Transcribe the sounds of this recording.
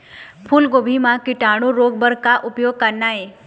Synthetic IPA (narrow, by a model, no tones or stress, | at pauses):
pʰulɡobʱimãkɪʈaɽ̃õɾoɡbəɾkaʔupjoɡ̚kəɾnae